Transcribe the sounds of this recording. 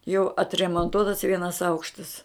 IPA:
jɛʊ ɐtʲrʲɛmoːnˈtuɔtɐs ˈʋʲiɛnɐs ˈɐʊkʃtɐs

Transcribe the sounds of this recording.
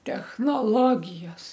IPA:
tʲɛxnoːˈlˠoːɡʲɪjoːs

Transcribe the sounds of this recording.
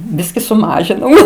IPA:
ˈbʲɪsʲkʲɪ sʊˈmɑːʒʲɪnɐʊ

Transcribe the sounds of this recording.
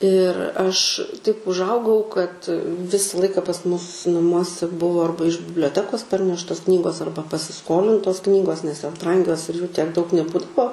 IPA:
ɪr ˈɐʃ tɐɪp ʊʒˈɐʊɡɐʊ kɐt ˈʋʲɪsɐ ˈlˠɐɪkɐ pɐs ˈmʊs nɐˈmuɔsʲɛ ˈbʊʋoː ˈɐrbɐ ɪʃ bʲɪbʲlʲoːˈtʲæːkoːs ˈpɐrʲnʲɛʃtoːs ˈknʲiːɡoːs ˈɐrbɐ pɐsʲɪˈskoːlʲɪntoːs ˈknʲiːɡoːs nʲɛs joːs ˈbrɐŋʲɡʲoːs ɪr juː tʲiɛk dɐʊk nʲɛˈbuːdɐʋoː

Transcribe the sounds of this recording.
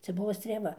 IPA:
ˈt͡sʲɛ ˈbʊʋoː sʲtʲrʲeːˈʋɐ

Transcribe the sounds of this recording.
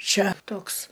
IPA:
ˈt͡ʃʲɛ ˈtoːks

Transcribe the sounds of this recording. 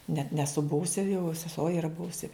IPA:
nʲɛt nʲɛˈsʊ ˈbʊʋʊsʲɪ jɛʊ sʲɛˈsuɔ ɪˈrɐ ˈbʊʋʊsʲɪ

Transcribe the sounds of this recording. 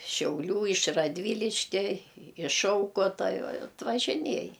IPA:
ʃʲɛʊˈlʲuː ɪʃ rɐdʲˈʋʲiːlʲɪʃʲkʲɛ ɪʃ ˈʃɐʊkoːtɐ ɐtʋɐʒʲɪˈnʲiɛj

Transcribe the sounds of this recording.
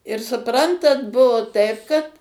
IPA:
ɪr sʊˈprɐntɐt ˈbʊʋoː ˈtɐɪp kɐt

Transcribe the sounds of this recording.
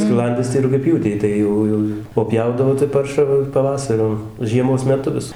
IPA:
sʲkʲɪˈlˠɐnʲdʲɪs tɐɪ rʊɡʲɛˈpʲjuːtʲɛɪ ˈtɐɪ jɛʊ ˈjɛʊ oː ˈpʲjɛʊdɐʋoː tɐɪ ˈpɐrʃɑː ʋɐ pɐˈʋɑːsɐrʲʊ ʒʲiɛˈmoːs mʲɛˈtʊ ʋʲɪs

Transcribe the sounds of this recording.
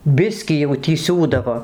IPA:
ˈbʲɪsʲkʲiː jɛʊ tʲiː ˈsʲuːdɐʋoː

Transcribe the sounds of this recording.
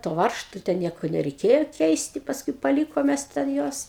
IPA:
toː ˈʋɐrʃtʊ tʲɛn ˈnʲiɛkoː nʲɛrʲɛɪˈkʲeːjoː ˈkʲɛɪsʲtʲɪ pɐsˈkʊɪ pɐˈlʲiːkoːm ˈmʲɛs tʲɛn ˈjuɔs

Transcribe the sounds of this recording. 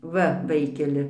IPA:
ˈʋɐ ˈʋɐɪkʲɛlʲɪ

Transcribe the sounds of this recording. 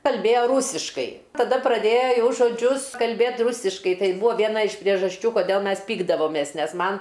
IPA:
kɐlʲˈbʲeːjoː ˈruːsʲɪʃkɐɪ tɐˈdɐ prɐˈdʲeːjɛ ˈjɛʊ ʒoːˈd͡ʒʲʊs kɐlʲˈbʲeːt ˈrʊsʲɪʃkɐɪ ˈtɐɪ ˈbʊʋoː ʋʲiɛˈnɐ ɪʃ pʲrʲiɛʒɐsʲˈt͡ʃʲuː koːˈdʲeːlˠ ˈmʲɛs ˈpʲiːɡdɐʋoːmʲeːs ˈnʲɛs ˈmɐn

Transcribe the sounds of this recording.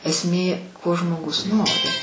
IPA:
ɛsʲˈmʲeː koː ʒmoːˈɡʊs ˈnoːrʲɪ

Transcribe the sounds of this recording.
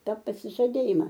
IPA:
ˈtɐ pɐsʲɪʒɐˈdʲeːjɪmɐ

